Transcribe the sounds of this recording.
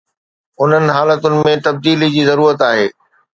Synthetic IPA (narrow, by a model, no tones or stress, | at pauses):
ʊn̤ənɪ̆ɦaːlət̪ʊnɪ̆mẽt̪ɐb̚d̪iːlid͡ʑiːzɐɾuːɾət̪aːɦeː